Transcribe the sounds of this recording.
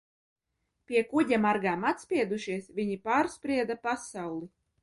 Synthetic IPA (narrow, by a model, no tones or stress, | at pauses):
pʲiɛkuɟʲamaɾɡaːmat̪sʲpʲiɛd̪uʃiɛsvʲiɲipaːɾspɾiɛd̪apasawlˠi